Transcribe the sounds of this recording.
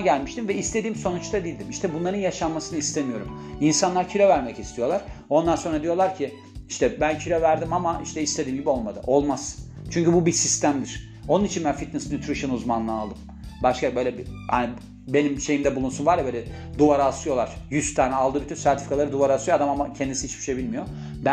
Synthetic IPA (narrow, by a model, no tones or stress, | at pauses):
ɟælʲmiʃt̪imvɛist̪ʰe̞d̪iːmso̞nut͡ʃt̪ʰad̪ijːlʲd̪imiʃt̪ʰɛbunlˠaɾɯnjaʃamːasɯnɯist̪ʰemijo̞ɾṵminsanlˠaɾcʰilʲo̞væɾmɛcist̪ʰijo̞lˠaɾ̥o̞nd̪anso̞nɾad̪ijo̞lˠaɾcʰi | iʃt̪ʰɛbæncʰylʲo̞væɾd̪imamaʔiʃt̪ʰɛist̪ed̪iːmɟibio̞lˠmad̪ɯ̰ʔo̞lˠmaz̥ | t͡ʃʰyɲcybubisist̪ʰæmd̪iɾ̥ | o̞nunit͡ʃʰinbænfit̪̚nɛsnʲyt̪ʰɾiʃɯnuzmanlˠɯalˠd̪ɯm | baʃkabø̞jlʲɛbiha̰ni | be̞nimʃe̞jimd̪ɛbulˠunsunvaɾjɛbølʲɛ | d̪uvaɾasujo̞lˠaɾ̥jyst̪ʰaːnɛalˠd̪ɯːbyt̪ʰynsæɾt̪ʰi̥fi̥kʰalˠaɾɯd̪uvaɾasujoad̪amamacʰɛnd̪isiit͡ʃbi̥ʃebilʲmijo̞ | bæ